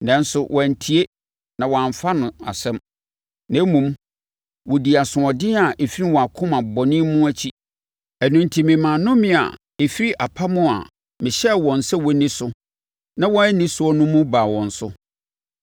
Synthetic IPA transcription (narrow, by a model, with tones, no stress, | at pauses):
nã˦n˦sʊ˨wʔɔ̃˨n˨tʰi˨e˦ | nã˨wɔ˨ã˨ɱ˨fa˦nʊ̃˨a̰˨sɛ̃˦m | nã˨˦mũ˨m | wɔ˨di˨a˨sʊ̃˨ɔ˨dɪ̃˦a˨ʔe˨fi˦i˦wɔ˨a˨kʰʊ̃˦mã˨bɔ˨nɪ̃˦mũ˦æ˦t͡ɕʰi˦ | æ˨nũ˨ntʰi˨mɪ̃˨mã˨nʊ̃˦mɪ̃˦˨a̰˨ | e˨fi˦ɾi˦ʔa˨pʰa˦mʊ̃˦a̰˨ | mɪ̃˨ɕɛ˦wɔ̃˨n˨sɛ˦wɔ˨˦nĩ˦sʊ˦ | nã˦wɔ̃˦ɛ˦nɪ̃˦sʊ˦ɔ˦nʊ̃˦mʊ̃˦baː˨wɔ̃˨n̩˨sʊ˦